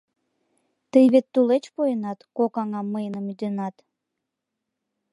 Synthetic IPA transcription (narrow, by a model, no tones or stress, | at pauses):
t̪əjβet̪ːulet͡ɕpojenɑt̪kokɑŋɑmːəjnəmyd̪ønɑt̪